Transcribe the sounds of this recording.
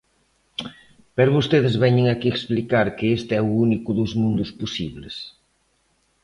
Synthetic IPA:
pɛɾʊβost̪eðezβɛɲeŋakieksplikaɾkeest̪eɛuunikʊðuzmũnd̪ʊspusiβles

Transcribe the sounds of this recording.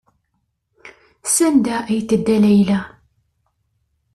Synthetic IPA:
sænd̪æʔæjt̪ːəd̪ːælæjlæ

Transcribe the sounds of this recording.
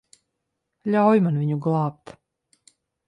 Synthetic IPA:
ʎaojmanʋiɲuɡlˠaːp̚t̪

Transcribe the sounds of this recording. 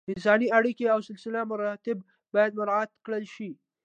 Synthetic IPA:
mɪsɑːniaɽikeawsɪlsɪlamʊɾɑt̪ɪb | bɑjad̪̚mʊɾaːt̪kɽəlʃi

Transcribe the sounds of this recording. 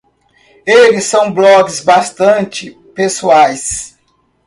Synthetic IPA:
elɪsːɐ̃w̃blɔɡɪzbast̪ɐ̃nt͡ʃɪ | pesuajs

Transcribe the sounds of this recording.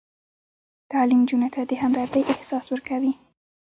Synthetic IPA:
t̪ɑlimd͡ʒunat̪ʰad̪əɦamɾad̪əjʔɪhsɑswəɾkawi

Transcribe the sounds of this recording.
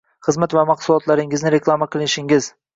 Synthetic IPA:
χɨzmat̪vamɑqsʊlˠɒt̪laɾɪŋɪznɪɾe̞klˠamaqʰɨlˠɪnɪʃɪŋɪz̥

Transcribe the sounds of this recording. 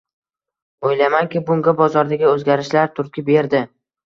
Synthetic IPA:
ojlamaŋkʲɪbʊŋɡʲabɒzɒɾd̪aɡʲɪɵzɡʲaɾɪʃlaɾt̪ʰʊɾkʲɪbe̞ɾd̪ɪ

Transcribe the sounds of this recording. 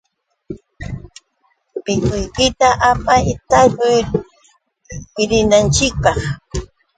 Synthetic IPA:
mɪkʊjkɪt̪aʔapajt̪akʊj | ɪɾɪnant͡ʃɪk̚pɑχ

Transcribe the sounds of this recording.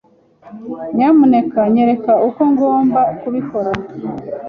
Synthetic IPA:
ɲamune̞kaɲe̞ɾe̞kauko̞ŋɡo̞ːmbakuβiko̞ɾa

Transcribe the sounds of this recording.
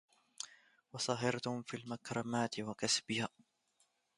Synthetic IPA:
wɑsˤɑɦɪɾt̪ʊmfiːlmakɾˤɑmaːt̪ɪwakasbɪja

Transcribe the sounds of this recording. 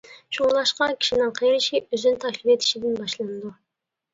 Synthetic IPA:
ʃulˠɑʃqɑkʲʰi̥ʃinɪɴqʰɑjeɾiʃiøzynt̪ʰɑʃlʲipet̪ʰi̥ʃid̪inbɑʃlˠɑnd̪u

